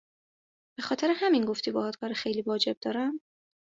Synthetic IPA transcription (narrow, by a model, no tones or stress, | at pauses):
b̥e̞xɒːt̪ʰe̞ɾehæminɡo̞ft̪ʰibɒːhɒd̪̥kʰɒːɾexejliːvɒːd͡ʒe̞b̚d̪ɒːɾæm